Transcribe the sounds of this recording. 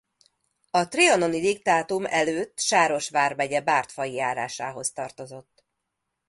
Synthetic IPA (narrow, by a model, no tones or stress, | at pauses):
ɒt̪riono̞nid̪ik̚t̪aːt̪umɛløːt̪ːʃaːɾo̞ʃʋaːrmɛɟɛbaːrt̪fɒjijaːɾa̰ːʃaːɦo̞st̪ɒrt̪o̞zo̞t̪ː